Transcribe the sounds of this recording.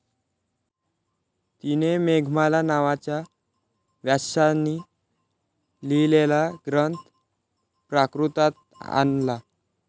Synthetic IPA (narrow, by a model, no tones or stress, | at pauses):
t̪inemeɡʱmalanaʋat͡ɕja | ʋjaɕanːi | lilelaɡɾənt̪ | pɾakɾut̪at̪̚ | a̰nla